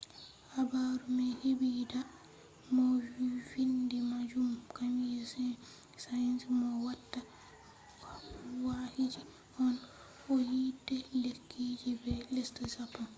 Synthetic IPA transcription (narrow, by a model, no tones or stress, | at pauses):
habaɾumɛhibida | mɔvindɛmad͡ʒumkamjɛs | sajansimɔwatːa | wahid͡ʒi | hɔn | ɔjidɛlekʰːid͡ʒibɛlɛstɛsapːɔn